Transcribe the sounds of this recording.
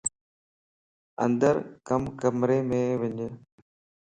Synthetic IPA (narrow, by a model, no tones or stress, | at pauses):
ə̰̃nd̪əɾkəmkəmɾeːmẽːʋɪɲ